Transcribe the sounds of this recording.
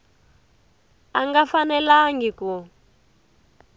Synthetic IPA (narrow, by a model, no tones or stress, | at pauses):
aŋɡafanɛlaŋɡikɔ